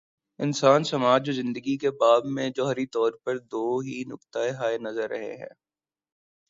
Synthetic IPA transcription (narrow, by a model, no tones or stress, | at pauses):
ɪnsaːnsɐmaːd͡ʒ̚d͡ʒoːzɪ̃nd̪əɡikebaːbmẽd͡ʒɔːɦɾit̪ɔːɾpɐɾd̪oːɦinʊkt̪aeɦaːenɐzəɾːɐ̰ɦḛɦɛ̰̃ː